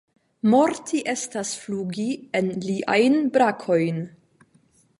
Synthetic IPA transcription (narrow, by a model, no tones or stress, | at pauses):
mo̞ɾtʰiʔe̞stasfluɡienliʔa̰jnbɾakʰo̞jn